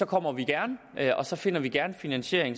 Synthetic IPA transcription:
ɒ̽kʰɒ̽m̰ɐʋiɡ̥æɐn | ɒ̽sɒ̽fe̝n̰ɐʋiɡ̥æɐnfinænɕe̝ɐ̰eŋ

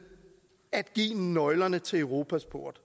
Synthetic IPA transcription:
æd̥̚ɡ̥ḭːnɒ̽ɪlɐnət͡sʰe̝lœʊʁo̝ːpʰæsb̥o̝ɐ̰d̥

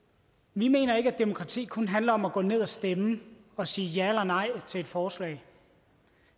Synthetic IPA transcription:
ʋime̝̰ːnɐe̝ɡ̥æd̥imo̝kʰʁɑ̈t͡sʰḭːkʰɔ̽nɦænləɒ̽mæɡ̥ɔ̰̽ːne̝ð̞̰ˠæsd̥emə | ɒ̽siːjæelɐnɑ̈ɪ̰t͡sʰe̝e̝d̥fɒːslɛ̰ɪ̰

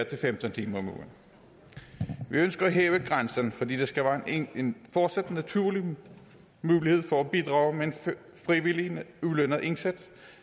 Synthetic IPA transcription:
ɐt͡sʰe̝lfemd̥ənt͡sʰiːmɐɒmṵn̩ | ʋiønsɡ̥ɐæɦeːʊəɡ̥ʁansɐnfɒ̽d̥ḭːd̥e̝sɡ̥æʋæːenfɒːd̥sæd̥næt͡sʰuɐ̰li | muːlihe̝ð̰ˠfɒæb̥id̥ʁɑ̈ːʊmeen | fʁiʋiliulønɐð̩ˠʔe̝nsed̥

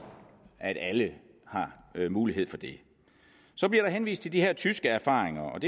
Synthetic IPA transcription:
ʔæɾ̥ælə | hɑ̈muːliɦe̝ð̰ˠfɒ̽d̥e̝ | sɒ̽b̥liɐɾ̥ɑ̈ɦenʋḭːsd̥t͡sʰe̝ld̥iɦeɐt͡sʰysɡ̥əæɐfɑ̰̈ːʁeŋɐɒ̽d̥e

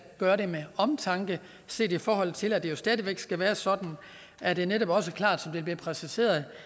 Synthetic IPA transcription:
ɡ̥ɶːɐɾe̝meɒ̽mt͡sʰɑ̈ŋɡ̥ə | se̝̰ːdifɒːhɒ̽l̰t͡sʰe̝læd̥e̝jo̝sd̥ɛːðˠiʋeɡ̥sɡ̥æʋæːɐsɒ̽d̥n̩ | ʔæd̥e̝ɐneɾɒ̽b̥ɒ̽s̬əkʰl̥ɑ̰̈ːd̥sɒ̽md̥e̝lb̥liːpʰʁɛsise̝̰ːɐð̞ˠ

